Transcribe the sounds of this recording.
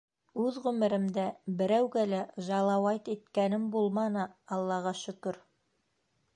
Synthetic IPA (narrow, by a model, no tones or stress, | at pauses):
ʉðʁʉmɘ̆ɾɘ̆md̪æbɘ̆ɾæwɡælæʒɑlˠɑwɑjt̪it̪kænɘmbulˠmɑnɤɑlˠːɑʁɑʃɵ̆kɵɾ